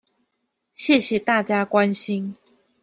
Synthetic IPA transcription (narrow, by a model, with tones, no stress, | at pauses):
ɕjɛ˥˨ɕjɛ˨˩t̪a˥˨t͡ɕja˦kwa˦nɕi˦ŋ